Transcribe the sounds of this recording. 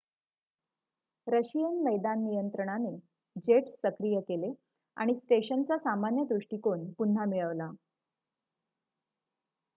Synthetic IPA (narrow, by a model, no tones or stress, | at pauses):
ɾəɕijənməjd̪anːijənt̪ɾəɽ̃ane | d͡ʑeʈsːəkɾijəkele | a̰ɽ̃isʈeɕənt͡sasamanjəd̪ɾuʂʈikonpun̤ːamiɭəʋla